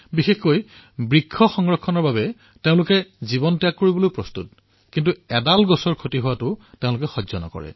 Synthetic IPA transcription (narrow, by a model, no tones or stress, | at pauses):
bixexkoj | bɹikʰːɔxɔŋɹɔkʰːɔnɔɹbabɛ | teʊ̃lʊkɛzibɔntijakːoɹibɔlojpɹɔstṵt̚ | kintuɛdalɡɔsɔɹkʰotiɦʊwatʊteʊ̃lʊkɛxɔzɔnɔ̰kɔ̰ɹɛ̰